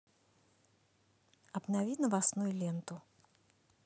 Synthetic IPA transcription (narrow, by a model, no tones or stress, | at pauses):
ɐbnavʲinɐvasnujulʲɛnt̪ʊ